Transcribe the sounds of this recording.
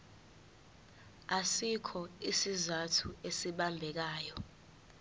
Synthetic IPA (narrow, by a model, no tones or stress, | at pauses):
asikʰɔisizatʰuesiɓambʱɛk̬aːjɔ